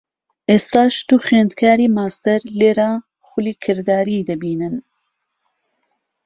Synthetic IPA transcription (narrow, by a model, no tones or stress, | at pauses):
ʔeːst̪aːʃt̪uːxweːnd̪kʰaːɾiːmaːst̪ɛɾleːɾaː | xʊliːkʰɨɾd̪aːɾiːd̪ɐbiːnɨn